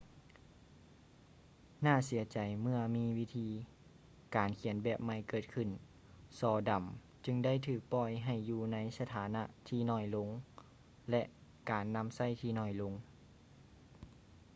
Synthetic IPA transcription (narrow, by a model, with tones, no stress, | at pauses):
naː˥˩si˩˦ɐt͡ɕa˨˩jmɯ˥˧ɐmiː˧˥˧wi˦˧˥t̪ʰiː˧ | kaː˨˩nkʰi˨˩˦ənbɛː˧˩p̚ma˧˩jkɤː˧˨˩t̪̚kʰɯ˧˩n | sɔː˧˩da˨˩m | t͡ɕɯ˧ŋda˥˩jt̪ʰɯː˧˨˩k̚pɔ˧˩jɦa˨˩jːuː˧na˧˥jsa˧t̪ʰaː˨˦na˧ʔt̪ʰiː˧˩nɔː˧˩jlo˧˥ŋ | lɛ˧ʔ | kaː˨˩nːa˧˥msa˥˩jt̪ʰiː˧˩nɔː˧˩jlo˧˥ŋ